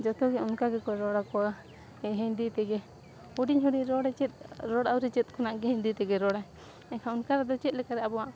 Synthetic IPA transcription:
d͡ʒɔt̪ɔɡɛunkaɡɛkɔɾɔɽakɔa | ɛɦɛɲd̪it̪ɛɡɛ | huɖiɲɦuɖiɾɔɽɛt͡ʃɛt̪̚ˀɾɔɽawɾɛt͡ʃɛt̪̚ˀkʰɔnaʔɡɛɦɛɲd̪it̪ɛɡɛɾɔɽa | ɛkʰaunkaɾɛd̪ɔt͡ʃɛt̪̚lɛkaɾɛabɔwaʔ

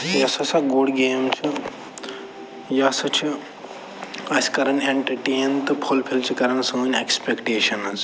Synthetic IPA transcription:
jɐsɐsɐɡoːɽɡeːmt͡ʃʰi | jɐsɐt͡ʃʰi | ɐsʲkɐɾɐɳeɳʈɐɾʈeːnt̪ɨpʰolpʰilt͡ʃʰikɐɾɐɳsɐunʲekspekʈeːʃɐnɐz

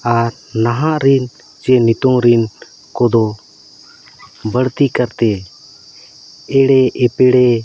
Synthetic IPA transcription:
aɾ | naɦaʔɾin | t͡ʃɛnit̪ɔŋɾin | kɔd̪ɔ | bəɽt̪ikaɾt̪ɛ | ɛɽɛɛpɛɽɛ

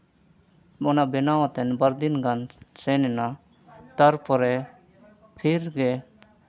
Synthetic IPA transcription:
ɔnabenaːʋt̪ɛnbɐɾd̪inɡansenena | t̪ɐɾpʰɔɾɛ | pʰiɾɡe

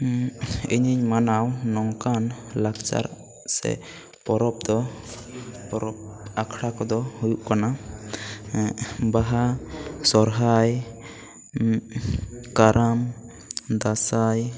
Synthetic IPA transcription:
iɲiɲmanawnɔŋkanlakt͡ʃa̰ɾ | sɛ̰ | pɔɾɔp̚d̪ɔ | pɔɾɔp̚akʰɽakɔd̪ɔhujuʔkana | baɦasɔɾɦaj | kaɾʔam | d̪asaj

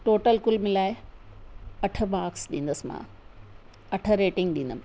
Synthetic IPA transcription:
ʈoːʈəlkʊlmɪlaːɪ | ɐʈʰəbaːksɗĩːnd̪əsɪmã̰ | ɐʈʰə̆ɾeːʈɪ̃ŋɡ̚ɗĩːnd̪əm

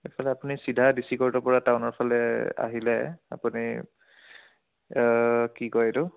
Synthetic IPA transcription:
epʰɔlɛapunisidʱadisikɔɹtɔpɔɹataʊnɔɹpʰɔlɛa̰ɦilɛa̰puni | kikɔjedʊ

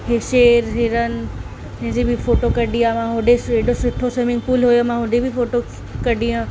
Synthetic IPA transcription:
ɦeʃeːɾɦɪɾənɪ̆ | d͡ʑɐ̃ɦɪ̃d͡ʑebifoːʈokɐɗijãmãɦʊɖeseɖosʊʈʰosɐmɪ̃ŋɡpuːlɦojomãɦʊɖebʱɪfoːʈo | kɐɗijã

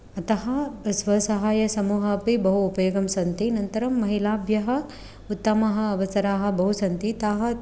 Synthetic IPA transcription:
ɐt̪ɐɦɐsʋɐsɐɦaːjɐsɐmuːɦɐpibɐɦuːpɐjoːɡɐmsɐnt̪inɐnt̪ɐɾɐmːɐɦilaːbjɐɦɐ̆ | ut̪ːɐmɐɦɐ̆ːʋɐsɐɾaːɦɐ̆bɐɦusɐnt̪it̪aɦɐ̆

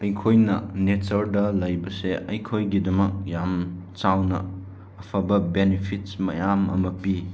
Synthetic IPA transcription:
ɐjkʰojnɐnetɐɾdɐlɐjbɐseʔɐjkʰojɡidɐmɐk̚jamt͡ʃawnɐ̰ː | pʰɐbɐbenipʰitmɐ̰jamɐ̰mɐpi

